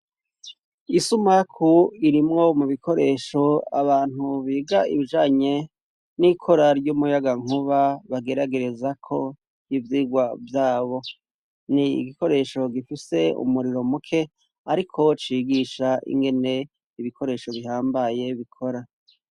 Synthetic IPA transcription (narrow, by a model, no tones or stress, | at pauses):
isumakʰuiɾimŋo̞muβikʰo̞ɾe̞ːʃo̞a̰βaːn̥uβiːɡaiβiʒaːɲe̞ | nikʰo̞ɾaɾɟomujaɡaŋ̥uβaβaɡe̞ɾaɡe̞ɾe̞zakʰo̞ | hivjiːɡwavjaːβo̞ | nḭɡiko̞ɾe̞ːʃo̞ɡifise̞ṵmuɾiɾo̞mukʰe̞ | aɾikʰo̞t͡ʃiːɡiʃaʔḭŋɡe̞ne̞ | iβikʰo̞ɾe̞ːʃo̞βiɦaːmbaje̞βikʰo̞ɾa